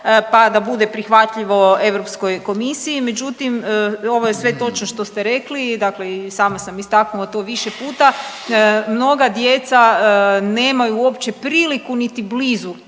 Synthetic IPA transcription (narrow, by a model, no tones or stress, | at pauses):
pad̪abud̪e̞pɾixʋat̪ʎiʋo̞e̞ʋɾopsko̞jko̞misiime̞d͡ʒut̪imo̞ʋo̞je̞sʋe̞t̪o̞t͡ʃnoʃt̪o̞st̪e̞ɾe̞klid̪akleisaːmasamist̪aknuot̪oːʋiʃe̞puːt̪a | mno̞ɡad̪je̞t̪sane̞ːmajuopt͡ɕe̞pɾiːlikunit̪ibliːzu